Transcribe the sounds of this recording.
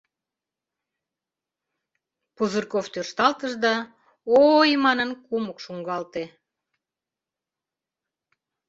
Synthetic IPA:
puzɨrkoft̪ørʃt̪ɑlt̪əʒd̪ɑ | ojmɑnənkuməkʃuŋɡɑlt̪e

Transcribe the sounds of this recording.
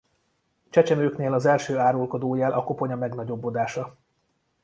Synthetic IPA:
t͡ʃɛt͡ʃɛmøːkneːlɒzɛlʃøːaːɾolko̞d̪oːjɛlʔɒko̞po̞ɲɒmɛɡnɒɟo̞bːo̞d̪aːʃɒ

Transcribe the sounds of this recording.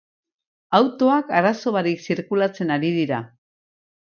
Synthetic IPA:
awt̪o̞akaɾaso̞βaɾiksiɾkulat͡se̞naɾiðiɾa

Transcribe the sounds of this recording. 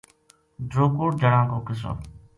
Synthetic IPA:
ɖɾoːkuːʈd͡ʒəɽãːkoːkɪs̬o̰ː

